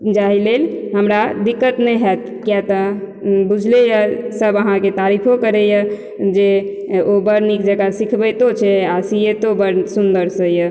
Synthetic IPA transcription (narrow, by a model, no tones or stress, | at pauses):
d͡ʒaɦilelɦəmɾad̪ikːət̪nɛjɦɛt̪ | kjɛt̪ə | bud͡ʒʱlejəsəbəɦãket̪aɾipʰokəɾɛjə | d͡ʒe | obəɾnikd͡ʒəɡasikʰbəjt̪ot͡ʃʰɛasiet̪obəɾsund̪əɾsəjə